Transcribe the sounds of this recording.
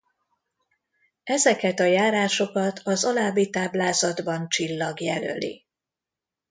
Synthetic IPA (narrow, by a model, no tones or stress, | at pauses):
ɛzɛkɛt̪ɒjaːɾaːʃo̞kɒt̪ʰɒzɒlaːbːit̪aːblaːzɒd̪bɒnt͡ʃilːɒɡjɛlø̰lḭ